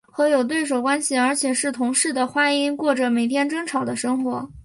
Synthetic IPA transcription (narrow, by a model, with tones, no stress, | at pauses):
xɤ˧˥jo˨˩ʊt̪we˥˩ɪʂ̬o˨˩ʊkwa˥nɕi˨˩ə˞˧˥t͡ɕʰjɛ˨˩ʂɻ̩˥˩t̪ʰʊ˧˥ŋʂɻ̩˥˩d̪ə˩xwa˥ni˥nkwɔ˥˩ʈ͡ʂə˨˩me˨˩ɪt̪ʰjɛ˥nʈ͡ʂɤ˥ŋʈ͡ʂʰɑ˨˩ʊd̪ə˦ʂɤ˥ŋxwɔ˧˥